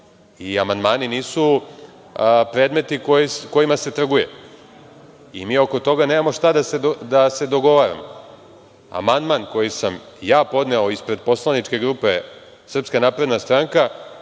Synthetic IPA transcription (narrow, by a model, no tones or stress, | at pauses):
iamand̪maːniniːsu | pɾed̪me̞t̪ikojiko̞jimase̞t̪r̩ɡujḛ | imiːo̞ko̞t̪o̞ɡaneːmamo̞ʂt̪ad̪ased̪ase̞d̪o̞ɡo̞ʋaɾa̰mo | a̰mand̪manko̞jisam | jaːpo̞d̪ne̞oispɾe̞d̪̚po̞slˠanit͡ʃke̞ɡɾuːpe̞ | sr̩pskanapɾe̞d̪nast̪ɾaŋka